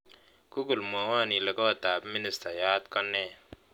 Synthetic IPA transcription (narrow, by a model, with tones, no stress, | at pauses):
ku˦ku˨lmo˨ha˦˨ni˨le˨kɔ˦a˨t̪aː˨bmɪ˦nɪ˨sta˨jaː˦t̪kɔ˦nːe˦˨